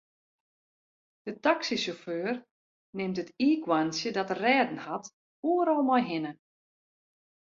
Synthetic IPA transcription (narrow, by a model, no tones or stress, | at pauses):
d̥ətaksisoføːr | nɪmtətiːkwansjədɔtərrɛːdn̩hat | uːəɾɔlˠmɔjɦɪnə